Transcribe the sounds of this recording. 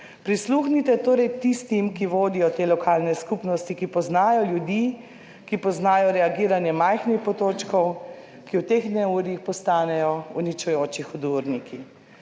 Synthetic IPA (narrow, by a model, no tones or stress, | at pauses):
pɾisluxnit̪ɛt̪oːɾɛjt̪ist̪imkiʋoːd̪ijɔt̪eːlɔkʰaːlnɛskupnɔst̪ikipɔznaːjɔljud̪iː | kipɔznaːjɔɾɛaɡiːɾanjɛmajxnixpɔt̪oːt͡ʃkɔw | kiwt̪exnɛuːɾixpɔst̪aːnɛjɔunit͡ʃujoːt͡ʃixɔd̪uɾnikʰi